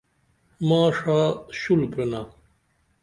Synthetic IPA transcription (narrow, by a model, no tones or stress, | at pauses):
maːʂaːɕulpena